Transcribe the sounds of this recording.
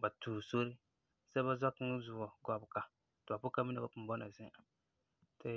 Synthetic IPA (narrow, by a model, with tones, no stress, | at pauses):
ba˨tuː˨so˦ɾɪ˦ | sɛ˦ba˦zɔ˦kzu˨ɔ˨ɡɔ˨bka˨ | tɨ˨ba˨pʊ˦ka˦mi˦na˨ba˨pʊ˨m˨bɔ˦na˨zɪ˦˨ | tʰɪ˦